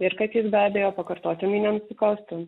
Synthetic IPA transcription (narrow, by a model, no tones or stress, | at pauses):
ɪɾkɐt̪jɪsbʲæːbʲeːjoːpɐkɐɾt̪oːt̪ʲɪmʲiːnʲɛnʊsʲɪkɐʊst̪ʊ